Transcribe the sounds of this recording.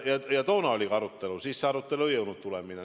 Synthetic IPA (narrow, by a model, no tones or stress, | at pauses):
jɑjɑt̪ounɑolikɑrut̪ːelusiːsseɑrut̪ːeluojoˑunut̪t̪uleminɑ